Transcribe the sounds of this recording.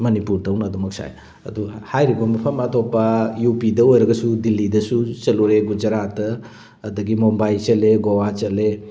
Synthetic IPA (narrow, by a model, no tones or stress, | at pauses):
mɐnipuɾtʰɐwnɐːdumɐk̚sa̰j | ɐ̰duhajɾibɐmɐpʰɐmɐtʰopːɐjupidɐojɾɐɡɐsudilːidɐsut͡ʃɐluɾeɡud͡ʒɐɾatɐ | ɐdɐɡimombajt͡ʃɐleɡowat͡ʃɐle